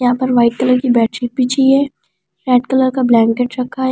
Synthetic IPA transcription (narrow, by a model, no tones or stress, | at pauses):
ɦãpɐɾʋaːɪʈ̚kɐləɾkibɛːʈʰɾipiːt͡ʃʰiɛː | ɾɛːʈkɐləɾkablɛ̃ːŋkeʈɾɐkʰaɦ